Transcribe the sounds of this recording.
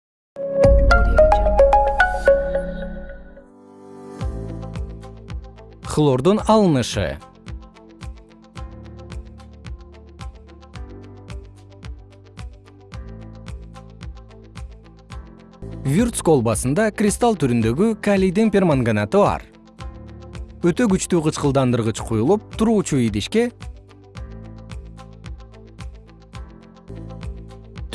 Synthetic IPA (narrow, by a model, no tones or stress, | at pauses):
χlˠord̪onɑlˠənəʃə̰ | vʲurt̪skolˠbɑsɯnd̪ɑkrʲɪst̪alˠt̪ʰyɾynd̪ø̞ɡykalʲijd̪iŋpʲermaŋɡanat̪ɯβɑ̰ɾ | øt̪ø̞ɡyt͡ʃt̪yːqɯt͡ʃqəlˠd̪ɑnd̪ɯɾʁɯt͡ʃqʰujulˠup̚t̪ʰuɾuːt͡ʃuid̪iʃke